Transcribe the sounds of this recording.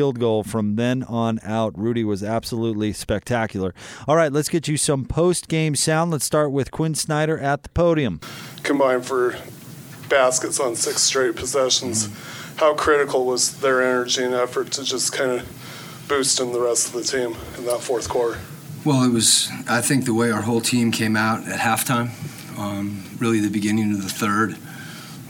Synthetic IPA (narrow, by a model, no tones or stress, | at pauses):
ilˠd̚ɡoʊlˠfɹʌ̃mðɨ̃nə̃naʊt̚ɹʉɾiwʌzæb̥səlutˡlispɛk̚tʰækjl̩ˠə˞ɔlˠɹaɪtˡlətsɡ̥ɛt͡ʃɨsʌ̃mpʰoʊstɡ̥ẽɪ̃msãʊ̃ndlətstɑɹt̚wɨð̥kʰw̥ɪ̃nsnaɪɾə˞ʔɨt̪̚ðə̥pʰoʊɾiɨ̃mkʰɨ̃mbãɪ̃ndfə˞ | b̥æskɨtsn̩sɪkstɹ̥eɪt̚pʰəzɛʃn̩z̥ | haʊkʰɹ̥ɪɾɨkʰl̩ˠwʌzðə˞ɛnə˞d͡ʒiɨ̃nɛfə˞tʰɨd͡ʒʌskʰãɪ̃ndɨ | b̥ʉstn̩ðəɹɛstʌvðɨtʰĩm | ɨ̃nðətfɔɹθkʰw̥ɔɹɾə˞ | wɛlˠət̚wʌzaɪθɪ̃ŋk̚ðəweɪaʊə˞ɦoʊlˠtʰĩmkʰẽɪ̃maʊɾɨt̚hæftʰãɪ̃m | ɹɪlˠiðɨbɨɡɪ̃nɪ̃ŋʌvðɨθɜ˞d̥